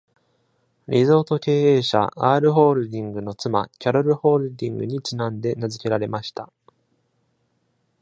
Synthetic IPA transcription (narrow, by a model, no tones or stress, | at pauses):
ɾʲizo̞ːt̪o̞ke̞ːe̞ːɕa̰aːɾɯ̟ɦo̞ːɾɯ̟d̪ʲĩŋɡɯ̟no̞t͡sɨma̰kʲaɾoɾɯ̟ho̞ːɾɯ̟d̪ʲĩŋɡɯ̟̰ɲ̟it͡ɕinãnd̪e̞nazɨke̞ɾaɾe̞maɕi̥t̪a